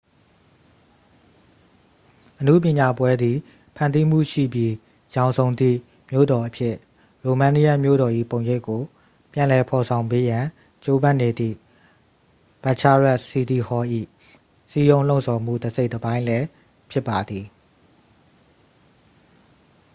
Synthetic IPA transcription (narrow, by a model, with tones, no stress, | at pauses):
ʔənṵ˦˨p̬jɪ̃˨ɲa˨pwɛ˦d̪ði˨ | pʰã˨nd̪i˦m̥ṵ˦˨ʃḭ˦˨bji˦ | jã˨ʊ̃nzõ˨ʊ̃nd̪ðḭ˦˨ | mjo̰˦˨dɔ˨ʔəpʰjɪ˦˨ʔ | ɹo˨mã˦ni˦ja˦˨mjo̰˦˨ɾɔ˨ʔḭ˦˨põ˨ʊ̃je˦ɪkːo˨ | pjã˨lɛ˨pʰɔ˨sʰã˨ʊ̃mpe˦jã˨ | t͡ɕo˦bã˦˨ne˨d̪ðḭ˦˨ | b̥a˨t͡ɕʰa˦ɹa˦ʔsi˦d̪i˨hɔ˦ʔḭ˦˨ | si˦jõ˦ʊ̃lõ˦ʊ̃˨sʰɔ˨m̥ṵ˦˨dəse˦ɪʔt̪əbã˦ɪ̃lɛ˦ | pʰjɪ˦pːa˨d̪ði˨